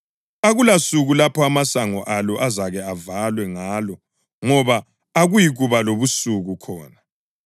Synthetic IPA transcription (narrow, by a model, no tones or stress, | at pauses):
aɣulasuɣulapʰɔamasaŋɔʔalɔʔazaɣɛavalwɛŋaːlɔ | ŋɔβaː | ɣujiɣuβaloβusuɣukʰɔːna